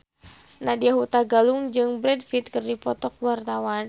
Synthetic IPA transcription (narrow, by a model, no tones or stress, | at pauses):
nadiaɦut̪aɡaluŋd͡ʒɨŋbɾɛdfit̪̚kɨrdipɔt̪ɔk̚wart̪awan